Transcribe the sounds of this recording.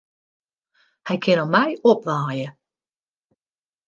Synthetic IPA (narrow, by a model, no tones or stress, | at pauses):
hajkʰɪnɔmajɔp̚ʋaːjə